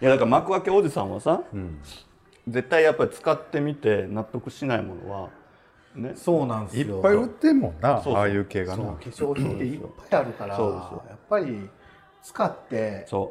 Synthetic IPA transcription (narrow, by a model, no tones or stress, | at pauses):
jad̪akaɾamakɯ̟akeo̞d͡ʑisã̰βasã | d͡ze̞t̪ːaijapːaɾʲit͡sɨ̥kat̪ːe̞mʲit̪e̞nat̪ːo̞kɯ̟ɕinaimo̞̰no̞̰βa̰ | ne̞so̞ːnãnd̪ijopːaiɯ̟t̪ːẽ̞mːõnːasoːaːjɯ̟ːke̞ːɡaokiɕo̞ːçĩt̪eijo̰pːajiaɾɯ̟kaɾaso̞ːd̪e̞ssɨjo̰japːaɾʲi | t͡sɨ̥kat̪ːe̞so̞ː